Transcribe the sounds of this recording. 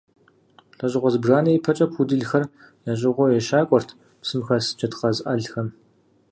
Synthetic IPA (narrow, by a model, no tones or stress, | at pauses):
ɬɐʑʼɪʁʷɔzbraːnɐjpʰɐt͡ʃʼɐpʰudɨɮxɐr | jaːɕ̬ʼɪʁʷɔjɛʃaːkʷʼɔrtʰ | psɨmxɐsɨ̥t͡ʃʰʼɐtqɐzʔɐɮxɐm